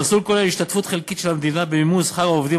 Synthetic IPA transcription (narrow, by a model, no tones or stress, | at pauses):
ʁsulkoleliʃt̪at̪fut̪χelkit̪ʃelhamed̪inabemimuzχaɡaovd̪i